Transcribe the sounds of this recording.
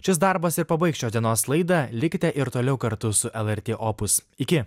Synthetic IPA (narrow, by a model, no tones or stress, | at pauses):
ʃʲɪsd̪ɑɾbɐsɪɾpɐbɐɪkʃʲt͡ʃʲoːsd̪ʲiɛnoːslˠɐɪd̪ɐlʲɪkʲt̪ʲɛʔɪɾt̪oːlʲɛʊkɐɾt̪ʊsʊʔɛlˠɛɾʲt̪ʲeːʔoːpʊs | ɪkʲɪ